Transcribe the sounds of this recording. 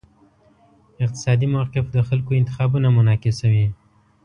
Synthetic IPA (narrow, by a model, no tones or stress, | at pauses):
ɪq̚t̪ɪ̥sɑd̪imawqɪfd̪əxalkoɪnt̪ɪxɑbunamʊnɑkɪsawi